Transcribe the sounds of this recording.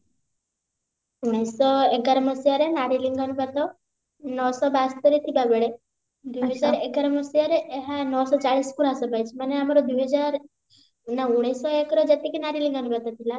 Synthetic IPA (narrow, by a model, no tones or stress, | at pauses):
uɽ̃esɔeɡaɾɔməsijaɾenaɾiliŋɡənubat̪ɔ | nɔsɔbast̪əɾit̪ʰibabeɽe | d̪uɦɛd͡ʒaɾeɡaɾɔmɔsijaɾeʔːɦanɔsɔt͡ʃaɭiskuɾasɔbajt͡ʃʰimaneamaɾɔd̪uɦəd͡ʒaɾ | nauɽ̃esɔekɾɔd͡ʒet̪ikenaɾiliŋɡənubat̪at̪ʰila